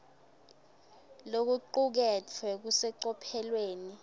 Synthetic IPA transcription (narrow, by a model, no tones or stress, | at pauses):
lok̬uǃuk̬ɛtʰwɛk̬usɛǀɔpʰɛlweːni